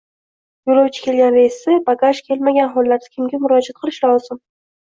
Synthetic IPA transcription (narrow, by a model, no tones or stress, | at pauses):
jolˠawt͡ʃʰɪ̥kʲʰe̞lɡʲanɾasɪbaɡaʃkʲʰe̞lmaɡʲanɦɒlˠːaɾd̪ɪkʲʰɪmɡʲamʊɾɒd͡ʒat̪̚qʰɨlˠɪʃlˠɒz̥ɪm